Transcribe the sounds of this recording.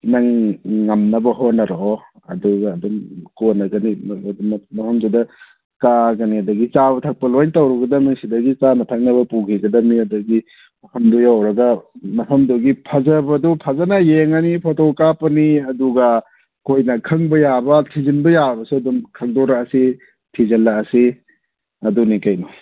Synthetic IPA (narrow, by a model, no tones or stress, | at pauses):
naŋŋɐmnɐbɐɦonɐɾoɔ | ɐ̰duɡɐːdumkonɐɡɐnimdummɐhʰɐmzudɐ | kaɡɐniɐdɐɡit͡ʃabɐtʰak̚pɐlojntawɾuɡɐdɐmiŋsidɐɡit͡ʃanɐtʰak̚nɐbɐpuɡʰiɡɐdɐmiɐdɐɡi | mɐpʰɐmdujawɾɐɡɐmɐpʰɐmduɡipʰazɐbɐdupʰazɐnɐjeŋɐnipʰɔtokapɐniɐduɡɐ | kʰojnɐkʰɐŋbɐjabɐtʰizinbɐjabɐsuɐdumkʰɐŋdɔɾaɐsi | tʰizɐlaɐsi | ɐdunikajnɔ